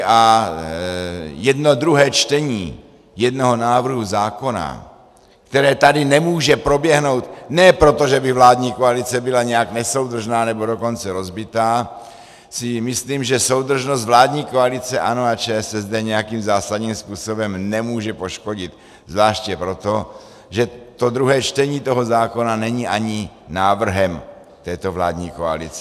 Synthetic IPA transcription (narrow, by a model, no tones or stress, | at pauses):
a | jɛdno̞d̪ɾuɦɛːt͡ʃt̪ɛɲḭː | jɛdno̞ɦo̞naːvr̩ɦuzaːko̞na̰ | kt̪ɛɾɛːt̪adɪnɛmuːʒɛpɾo̞bjɛɦno̞wt̪nɛːpɾo̞t̪o̞ʒɛbɪvlaːdɲiːkoalɪt͡sɛbɪlaɲɛjaknɛso̞wd̪r̩ʒnaːnɛbo̞do̞ko̞nt͡sɛɾo̞zbɪt̪aː | sɪmɪsliːmʒɛso̞wd̪r̩ʒnos̬t̪vlaːdɲiːko̞alɪt͡sɛʔanoat͡ʃɛːɛsɛzd̪ɛɲɛjakiːmzaːsadɲiːmspuːso̞bɛmnɛmuːʒɛpo̞ʃko̞ɟɪt̪ | zvlaːʃcjɛpɾo̞t̪o̞ | ʒɛt̪o̞d̪ɾuɦɛːt͡ʃt̪ɛɲiːt̪o̞ɦo̞zaːko̞nanɛɲiʔaɲi | naːvr̩ɦɛm | t̪ɛːt̪o̞vla̰ːd̪ɲiːkoa̰lɪ̰t͡sɛ̥